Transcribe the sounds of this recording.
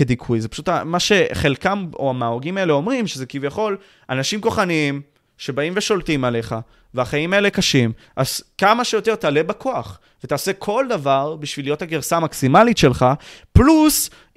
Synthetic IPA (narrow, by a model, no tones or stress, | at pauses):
ked̪ikʰujzepḁʃutamaʃe̞χe̞lkamo̞̰amaːoɡimae̞le̞o̞mʁimʃezekivjaχo̞l | anaʃimko̞χaniim | ʃe̞baimve̞ʃo̞ltimale̞χa | veaχaimae̞lekaʃim | ʔaz̥kamaʃejo̞t̪e̞ʁtale̞bakʰo̞aχ | vetaːse̞kʰo̞ld̪avaʁbiʃvilijo̞thaɡeʁsaːmaksimalitʃe̞lχaplus